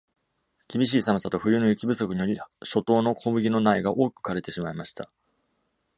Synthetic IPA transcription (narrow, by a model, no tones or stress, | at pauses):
kʲibʲiɕ̬iːsamɯ̟sat̪oɸɯ̟jɯ̟nojɯ̟kʲibɯ̟so̞kɯ̟ɲ̟ijoɾʲiɕo̞t̪o̞ːno̞kʰo̞bɯ̟ɡʲino̞naiɡaʔo̞ːkɯ̟̥kaɾe̞t̪e̞ɕimaimaɕi̥t̪a̰